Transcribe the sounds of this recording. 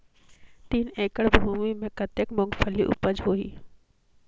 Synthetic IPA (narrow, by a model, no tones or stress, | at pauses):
t̪iːneːkəɽbʱuːmimẽkɐt̪ekmʊ̃ŋɡfʰəliʔʊ̰pəd͡ʒɦoːḭː